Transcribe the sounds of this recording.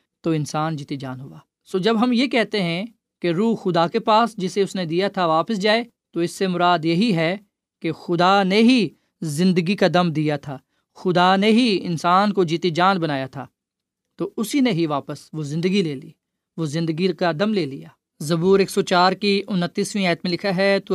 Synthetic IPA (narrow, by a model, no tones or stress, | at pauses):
t̪oːɪ̃nsaːnd͡ʒiːt̪id͡ʒaːnɦʊaː | soːd͡ʒɐbɦɐmjekɛɦt̪eɦɛ̃ | keɾuːxʊd̪akepaːsd͡ʒɪseʊsned̪ijat̪ʰaʋaːpəsd͡ʒaːe | t̪oɪsːemʊɾaːd̪jɐɦiɦɛ | kexʊd̪aneɦi | zɪ̃nd̪əɡikad̪ɐmd̪ijat̪ʰaː | xʊd̪aneɦiɪ̰nsaːnkod͡ʒiːt̪id͡ʒãːnbɐnaːjat̪ʰa̰ː | t̪oʊsineɦiʋaːpəsʋozɪ̃nd̪əɡileːlḭː | ʋoːzɪ̃nd̪əɡikad̪ɐmleːlḭjaː | zɐbuːɾeːksot͡ʃaːɾkiʊnət̪ːiːsʋĩɛːt̪mẽlɪkʰaɦɛt̪o